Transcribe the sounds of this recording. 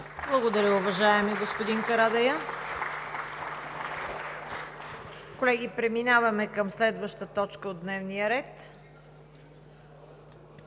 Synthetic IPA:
blˠəɡod̪ɐɾʲəʊvɐʒaɛmiɡospod̪inkɐɾad̪ɐjə | kolɛɡ̟ipɾɛminavɐmɛkəmslɛd̪vəʃt̪ət̪ɔt͡ʃkəod̪nɛvnijəɾɛt̪

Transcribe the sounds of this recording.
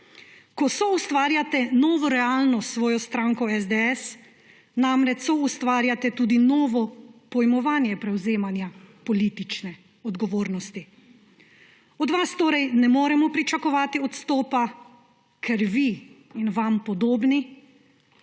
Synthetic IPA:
kɔsɔust̪ʋaːɾjat̪ɛnɔːʋɔɾɛaːlnɔsʋɔːjɔst̪ɾaːŋkɔɛzd̪ɛɛs | namɾɛt͡ʃsɔust̪ʋaːɾjat̪ɛt̪uːd̪inɔːʋɔpɔjmɔʋaːnjɛpɾɛwzeːmanjapɔliːt̪it͡ʃnɛ | ɔd̪ɡɔʋoːɾnɔst̪i | ɔd̪ʋast̪oːɾɛjnɛmoːɾɛmɔpɾit͡ʃakɔʋaːt̪iɔt̪st̪ɔːpa | kʰɛɾʋiːnʋampɔd̪oːbni

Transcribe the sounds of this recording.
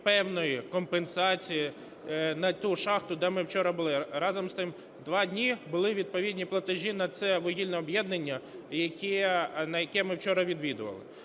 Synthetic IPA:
pɛwnɔjikɔmpensɑt͡sʲiji | nɐt̪uʃɑxt̪ʊd̪ɛmɪwt͡ʃɔɾɐbʊlˠɪɾɑzɔmst̪ɪm | d̪ʋɑdʲnʲibʊlˠɪʋʲid̪̚pɔʋʲidʲnʲiplˠɐt̪ɪʒʲinɐt̪sɛʋɔɦʲilʲnɛɔbjɛd̪nɐnʲːɐjɐkʲinɐjɐkɛmɪwt͡ʃɔɾɐʋʲid̪ʋʲid̪ʊʋɐ̰lˠɪ̰

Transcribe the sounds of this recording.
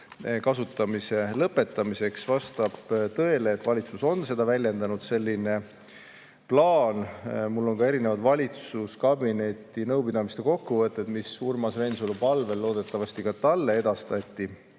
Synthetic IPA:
kɑsut̪ːˑɑmise̞lɤpːˑe̞t̪ˑːɑmise̞ksvɑst̪ɑb̥t̪ɤ̞e̞le̞ːt̪ːvɑlʲit̪suso̞nse̞d̪̥ɑvælʲje̞nd̪ɑnud̪̥se̞lʲːine̞ | plɑːnmulːo̞nŋkɑe̞ɾinevɑd̪̥vɑlʲit̪suskɑbine̞t̪ːˑinɤwpid̪ɑmist̪e̞ko̞kːuvɤt̪ːˑe̞d̪̥misurmɑsve̞nsulpɑlve̞lːo̞ːd̪̥e̞t̪ːˑɑvɑst̪ikɑt̪ɑlːe̞e̞d̪̥ɑst̪ɑt̪ʲːˑi

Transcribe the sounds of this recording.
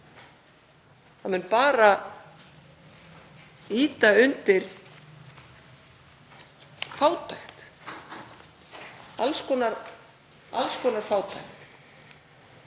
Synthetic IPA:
hamʏnpaːɾa | iːt̪aʏnt̪ɪɾ̥ | faːwt̪ʰajxt̪ | alskʰɔːnaɾ | a̰lskʰɔːnaɾ̥faːwt̪ʰajxt̪

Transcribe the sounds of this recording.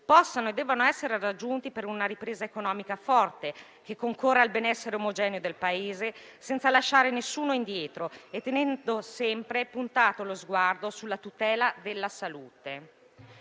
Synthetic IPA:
pɔsːanoed̪ːɛːvanoɛsːeɾerad͡ʒːunt̪ipeɾunaɾipɾeːzaekonɔːmikafɔrt̪e | k̟ekːoŋkorːealbenɛsːeɾeomod͡ʒɛːneod̪elpaeːze | sɛnt̪salaʃːaːɾenesːuːnoind̪jɛːt̪ɾoet̪ːenɛnd̪osɛmpɾepunt̪aːt̪olozɡward̪osulːat̪ut̪ɛːlad̪elːasaluːt̪e

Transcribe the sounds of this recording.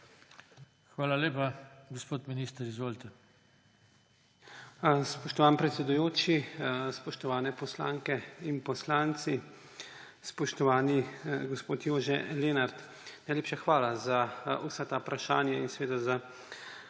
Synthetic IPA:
xʋaːlaleːpaɡospoːt̪miniːst̪əɾizʋoːlt̪ɛ | spɔʃt̪ɔʋaːnpɾɛt̪sʲɛd̪ujoːt͡ʃispɔʃt̪ɔʋaːnɛpɔsla̰ːŋkɛinpɔslaːnt̪si | spɔʃt̪ɔʋaːniɡɔspoːt̪joːʒɛleːnaɾt̪ | najleːpʃaxʋaːlazausɛt̪apɾaʃaːnjainsɛʋeːd̪aza

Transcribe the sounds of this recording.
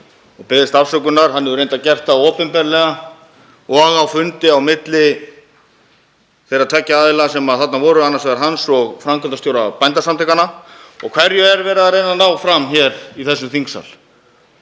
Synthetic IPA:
ɔɣpɪðɪst̪av̥sœkʏnaɾ̥ɦanːɛðʏɾejnt̪acɛr̥t̪aoːpɛnpɛɾlɛɣa | ɔɣawfʏnt̪ɪawmɪt̪lɪ | θejrat̪ʰvɛcːaaːðɪlasɛmaðθat̪navɔːɾʏanːasvɛɣaɾɦansɔɣfɾamkʰʏlt̪ast̪jowɾapajnt̪asamt̪ʰɛkanaɔɣkʰvɛɾjʏɛɾvɛːɾɪðaɾejnanːawfɾamçɛɾiθɛsːʏmθiŋksa̰l

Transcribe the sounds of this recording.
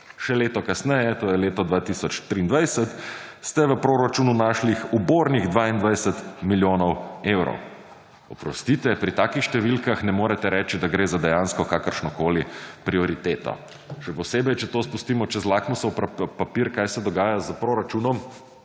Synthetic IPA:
ʃɛleːt̪ɔkasnɛjɛt̪oːjɛleːt̪ɔd̪ʋaːt̪isɔt͡ʃt̪ɾiːnd̪ʋajsət̪ | st̪ɛʋəpɾoːɾat͡ʃuːnunaːʃlixuboːɾniɣd̪ʋaːind̪ʋajsət̪miljoːnɔwewɾɔ̰w | ɔpɾɔ̰st̪iːt̪ʋɛpɾit̪aːkixʃt̪ɛʋilkaxnɛmoːɾɛt̪ɛɾɛːt͡ʃid̪aɡɾeːzad̪ɛjaːnskɔkakəɾʃnɔkoːlipɾiɔɾit̪eːt̪ɔ̰ | ʃɛpɔseːbɛjt͡ʃɛt̪oːspust̪iːmɔt͡ʃɛzlaːknɔsɔwppapiɾkaːjsɛd̪ɔɡaːjazəpɾoːɾat͡ʃunɔm

